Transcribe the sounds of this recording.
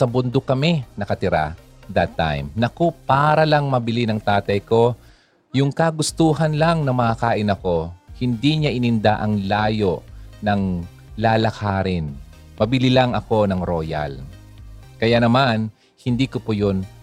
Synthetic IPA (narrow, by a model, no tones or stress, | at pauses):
sɐbʊnd̪okɐmɪnɐkɐt̪ɪɾa̰ | d̪ɐt̪ːa̰jmnɐkopaːɾɐlɐŋmɐbɪlinɐŋt̪aːt̪ɐjko̞ | jʊŋkaɡʊst̪uːɦɐnlɐŋnɐmɐakaːʔɪnɐko̞hɪnd̪iɲaʔɪnɪnd̪aʔɐŋlaːjo̞ʔnɐŋ | laːlɐkʰaːɾɪn | mɐbɪlilɐŋɐko̞nɐŋɾoːja̰l | kɐjanɐman | hɪnd̪iːkopojon